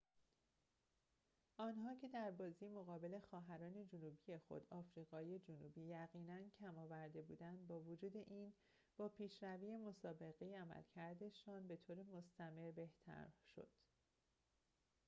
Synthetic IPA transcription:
ʔɒːnɦɒːcʰe̞d̪æɾbɒːzimo̞ɣɒːbe̞le̞xɒːɦæɾɒːne̞d͡ʒonuːbiːje̞xo̞̰d̪ɒːfɾiːɣɒːije̞d͡ʒonuːbiːjæɣiːnæncʰæmɒːvæɾd̪e̞buːd̪ænd̪̚bɒːvod͡ʒuːd̪e̞ʔiːn | b̥ɒːpʰiːʃɾæviːje̞mo̞sɒːbe̞ɣe̞jeæmæ̰lcʰæɾd̪e̞ʃɒːnbe̞t̪ʰoːɾemo̞st̪æme̞ɾbe̞ht̪ʰæ̰ɾʃo̞̰d̪̥

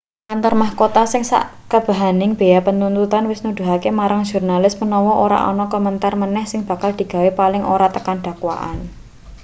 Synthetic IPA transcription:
ʔant̪ɔrmahkot̪asɪŋsa̰ʔkəb̥a̤ɦanɪŋb̥e̤japənt̪unt̪ut̪anwɪsnud̪̥ṳɦakemaɾaŋ̥ʒ̥urnalɪsmənɔwɔʔoɾa̰ʔɔ̰nɔkɔmənt̪armənɛhsɪŋb̥ä̤kald̪̥i̤ɡ̥ä̤wepalɪŋʔoɾat̪əkanɖ̥a̤kwa̰ʔa̰n

